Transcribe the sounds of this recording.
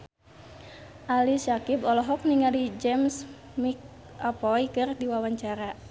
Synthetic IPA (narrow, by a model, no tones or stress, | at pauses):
ʔalisakibɔlɔɦɔk̚niŋalid͡ʒɛms | mik̚ | apɔikɨrdiwawaɲt͡ʃaɾa